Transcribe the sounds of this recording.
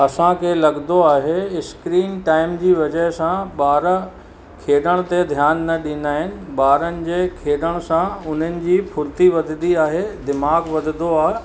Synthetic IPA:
ɐsãkʰelɐɠnd̪oaːɦeɪskɾiːnʈaːɪmd͡ʑiːʋɐd͡ʑəɦsãɓaːɾ | kʰeːɗəɽ̃t̪ed̪ʱjaːnːɐɗĩːn̆d̪aːɦɪnɪ̆ɓaːɾənɪ̆d͡ʑeːkʰeːɗəɽ̃sãʊn̤ənɪ̆d͡ʑiːpʰʊɾt̪iʋɐd̪ʱɪd̪iaːɦed̪ɪmaːɡʋɐd̪ʱɪd̪oaːɦ

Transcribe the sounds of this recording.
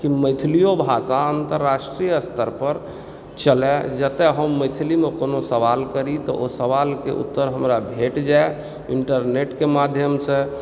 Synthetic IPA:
kiməjt̪ʰilijobʱasaənt̪əɾːasʈɾijəst̪ʰəɾpəɾ | t͡ʃəlɛd͡ʒət̪ɛɦəmːəɪt̪ʰilimekonosəʋalkəɾit̪ɔʔosəʋalkḛʔṵt̪ːəɾɦəmɾabʱeʈd͡ʒae | iɳʈəɾneʈkemad̪ʱjəmsẽ

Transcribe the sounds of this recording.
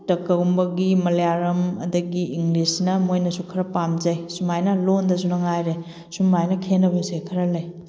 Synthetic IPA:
tɐkːɐumbɐɡimɐlejaɾɐmɐ̰dɐɡiʔiŋɡlisnɐmojnɐsukʰɐɾɐpamd͡ʒɐjsumajnɐlondɐs̬unɐŋajɾe | sumajnɐkʰenɐbɐsekʰɐɾɐlɐj

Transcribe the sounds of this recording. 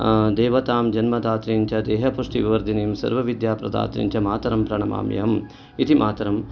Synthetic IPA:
d̪eːʋɐt̪aːmd͡ʒɐnmɐd̪aːt̪ɾiːɲt͡ʃʰɐd̪eːɦɐpuʂʈiʋiʋɐɾd̪iniːmsɐ̰ɾʋɐʋid̪jaːpɾɐ̰d̪a̰ːt̪ɾḭɲʲt͡ʃʰɐmaːt̪ɐɾɐmpɾɐɳɐma̰ːmjɐ̰m | it̪imʔaːt̪ɐɾɐm

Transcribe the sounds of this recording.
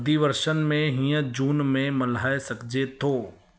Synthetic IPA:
d̪iʋəɾʃənmẽɦĩːə̃d͡ʒuːnmẽmɐlaːesɐkd͡ʒet̪ʰoː

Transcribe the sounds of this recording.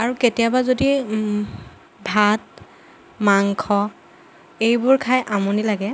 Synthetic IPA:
aɹuketijabazodi | bʱat̚ | maŋkʰɔ | ejbʊɹkʰajʔamɔnilaɡɛ

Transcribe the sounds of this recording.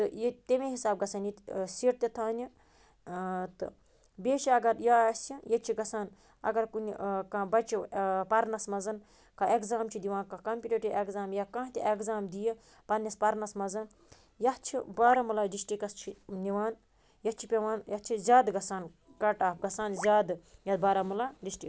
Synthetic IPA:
t̪ɨjet̪emeɦisaːb̚ɡɐsɐːnisiʈ̚t̪et̪ʰaːnʲi | t̪ɨ̰ | beːʃɐɐɡɐɾjaːɐsijɐt͡ʃʰiɡɐsaːn | ɐ̰ɡɐɾkunʲkabɐt͡ʃʰipɐɾnɐsmɐzɐn | kɐekzaːmt͡ʃʰid̪iʋãːnkɐkɐmpʲuʈeʈiekzaːmjakãːɦt̪ʲiekzaːmd̪ije | pɐɾnʲɐspɐɾnɐsmɐzɐn | jɐt͡ʃʰḭbaːɾɐmulaːɖisʈikɐst͡ʃʰiniʋaːn | jɐt͡ʃʰipʲeʋaːnjɐt͡ʃʰizʲaːd̪ɡɐsaːn | kɐʈaːpɡɐsaːnzʲaːd̪ɨjɐd̪baːɾɐmulaːɖisʈik

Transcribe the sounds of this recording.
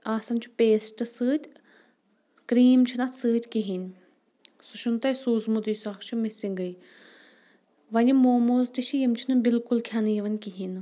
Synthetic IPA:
aːsɐnʲt͡ʃʰu̥peːsʈɨsɨːt̪ʲ | kɾiːmt͡ʃʰinɐt̪sɨːt̪ʲkiɦinʲ | suʃʰunt̪ɐjsuːzmud̪ujsaːkʰt͡ʃʰumesʲiŋɡɨj | ʋɐlʲimoːmoːzt̪it͡ʃʰijimt͡ʃʰinɨbilkulkʲʰanɨjiʋɐnʲkiɦin

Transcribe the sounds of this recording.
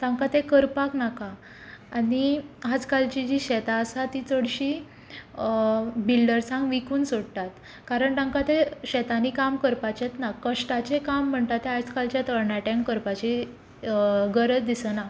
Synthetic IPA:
t̪ãŋkat̪ekəɾpaknakaː | niɦad͡zkalt͡ɕid͡ʑiɕɛt̪aəsat̪it͡səɽɕi | bilɖəɾsãŋɡʋikuːnsoɽt̪at̪ | kaɾəɳt̪ãŋkat̪eɕɛt̪anikamkəɾpat͡ɕet̪nakəʂʈat͡ɕekam̤ːəɳt̪at̪ːẽat͡skalt͡ɕjat̪əɾɳaʈẽŋkkəɾpat͡ɕi | ɡəɾət͡sd̪isəna

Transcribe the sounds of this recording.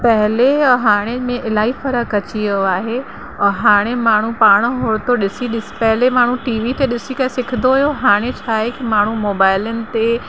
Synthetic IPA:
pɐɦɪleɦaːɽ̃emẽʔɪlaːifɐɾəkɐt͡ɕiioaːɦe | ɦaːɽ̃emaːɳ̤ũpaːɽ̃ɦoːɽt̪oɗɪsiɗɪspɛɦɪlemaːɳ̤ũʈiːʋit̪eɗɪsikasɪkʰɪnd̪oʊjoɦaːɽ̃et͡ɕʰaːɦekimaːɳ̤umoːbaːɪlənɪ̆t̪e

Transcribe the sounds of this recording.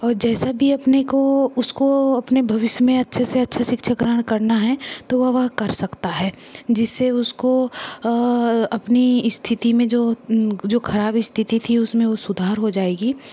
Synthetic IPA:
ɔːɾd͡ʒɛːsabʱiɐpnekoʊskoɐpnebʱɐʋɪʃjəmẽɐtːʃʰeseɐtːʃʰaʃɪkʃʰəkɾəəɽ̃kɐɾnaɦɛt̪oʋɐʋɐɦkɐɾsɐkt̪aɦɛːd͡ʒɪsːeʊsko | ɐpniɪst̪ʰɪt̪imẽd͡ʒoːd͡ʒoːkʰɐɾaːbɪst̪ʰɪt̪it̪ʰiʊsmẽʋosʊd̪ʱaːɾɦod͡ʒaːeːɡiː

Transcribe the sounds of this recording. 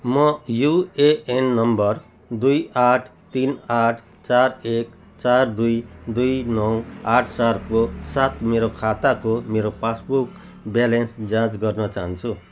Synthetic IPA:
mʌjueenːʌmbʌr | d̪ujaʈʰt̪inaʈʰ | t͡sarek | t͡sard̪ujd̪ujnʌwaʈʰsarkosat̪meɾokʰat̪akomeɾopasbuk | bjalensd͡zãd͡zɡʌrnʌt͡saɦʌ̃nt͡sʰu

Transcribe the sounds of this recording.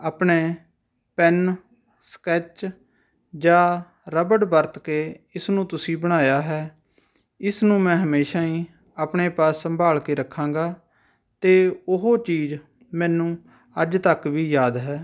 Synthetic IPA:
aːpɳeː | pɛn | skɛːt͡ʃ | d͡ʒãː | ɾəbəɽbəɾt̪keːɪsnũːt̪ʊsĩːbəɽ̃aːjaːɦɛː | ɪsnũːmɛ̃ːɦəmeːʃaːĩː | apɳeːpaːsːəmbʱaːɭkeːɾəkʰːãːŋɡaː | t̪eːʊɦoːt͡ʃiːd͡ʒ | mɛ̃ːnũː | əd͡ʒt̪əkʋiːjaːd̪ɦɛː

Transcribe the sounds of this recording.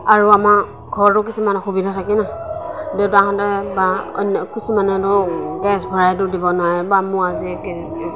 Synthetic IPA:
aɹuama | ɡʱɔɹtʊk̬isimanɛxubidʱatʰakɛnadɛtaɦɔ̃tɛbaɔ̰nɔkisimanɛtɔɡɛsbʱɔɹajtʊdibɔnʊajɛbamuaziɡɛ

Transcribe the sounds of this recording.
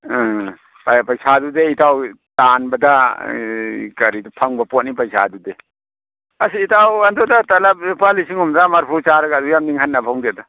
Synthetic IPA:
papajsadudeitʰaw | tanbɐda | kɐɾidupʰaŋbɐpɔt̚nip̬ajsa̰dude | asiːtʰawandɔdatalap̚palisiŋumzamaɾpʰut͡ʃaɾaɡadujamniŋhʰat̚nabʰaŋɡeda

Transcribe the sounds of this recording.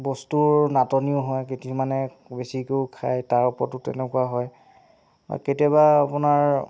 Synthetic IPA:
bɔstuɹnatɔniʊɦɔjketimanɛ | besikowkʰajtaɹupɔɹtːʊtɛ̰nɛkuaɦɔj | ba̰ketiɔbaapunaɹ

